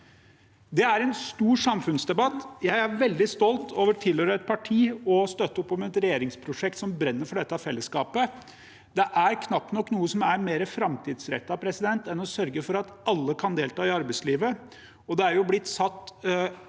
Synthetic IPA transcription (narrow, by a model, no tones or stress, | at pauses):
d̪ɛæɾɛnst̪uːɾʂɑmfʉnsd̪ɛbɑt̪ːjæɪæɾʋɛld̪ɪst̪ɔlt̪ʰoːʋəʈʰɪlhøːɾəɛt̪̚pʰɑʈʰiːɔst̪œt̪ːəɔpːɔmɛt̪ɾɛjeːɾɪŋspʰɾʊʂɛk̚t̪sɔmbɾɛnːəɾfɔɖɛt̪ːəɑfɛlːəskɑːpə | d̪ɛʔæɾkʰnɑpːnɔkːnuːəsɔmæɾmeːɾəfɾɑmt̪ʰiːd̪sɾɛ̰t̪ːɑpʰɾɛsɪd̪ɛnt̪ɛnɔsœɾɡəfɔɾɑt̪ɑlːəkʰɑnd̪eːlt̪ʰɑːɪɑɾbæɪsliːʋə | ɔd̪ɛæɾjʊblɪt̪ːsɑt̪ː